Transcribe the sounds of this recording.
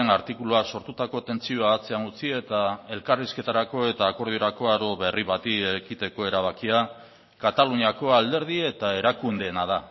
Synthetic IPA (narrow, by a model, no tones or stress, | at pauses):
enaɾt̪ikuluaso̞ɾt̪ut̪ako̞t̪e̞nt͡sio̞aːt͡se̞aŋɡut͡sie̞t̪ae̞lkariske̞t̪aɾako̞e̞t̪aːko̞ɾð̞io̞ɾako̞aɾo̞βe̞riβat̪iekit̪e̞ko̞e̞ɾaβ̞akia | kat̪aluɲiako̞ald̪e̞ɾð̞ie̞t̪ae̞ɾakund̪e̞ːnað̞a